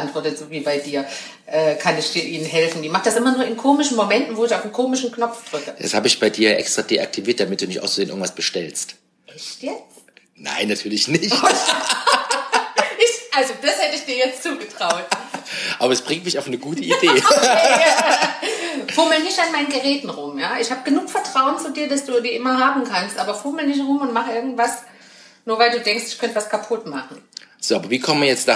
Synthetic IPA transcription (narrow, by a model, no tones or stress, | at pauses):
antv̥ɔɐtətz̥oːviːbaɪdiːɐ | ʔɛːkʰanɪçd̥iːɐʔiːnənɦɛlfn̩diːmaχəd̥asʔɪmɐnuːɐɪnkʰoːmɪʃn̩momɛntn̩voːɪçaʊfnkʰoːmɪʃn̩knɔpp͡fd̥ʁʏkəd̥a̰shaːbəɪçb̥aɪdiːɐʔɛ̰kstʁ̥aːdeʔa̰k̚tʰiviːɐt̚d̥amɪt̚d̥uːnɪçtʔaʊszeːnʔɪ̰ɡŋ̩tv̥asb̥əʃtɛlst | ʔɛçtjɛt͡s | na̰ɪnːatʰyːɐlɪçnɪçt | ʔɪçʔalzod̥ashɛtəɪçd̥iːɐjɛt͡st͡suːɡətʁ̥aʊtʔaːbɐɛsb̥ʁɪŋtmɪçaʊfnəɡuːtʰəideː | fʊɐmlnɪçtanmaɪnənɡəʁɛːtn̩ʁʊmjaːʔɪçhaːbəɡ̥ənuːkfɛɐtʁ̥aʊənt͡suːdiːɐdasd̥uːdiːʔɪmɐɦaːbm̩kʰanstʔaːbɐfʊɐməlnɪç̬tʁʊmʊntmaχəʔɪɐɡŋ̩tv̥as | nuːɐvaɪlduːdɛŋkstɪçkʰœntəvaskʰapʰʊtmaχn̩z̥oːʔaːbɐviːkʰɔmənvɐjɛt͡sta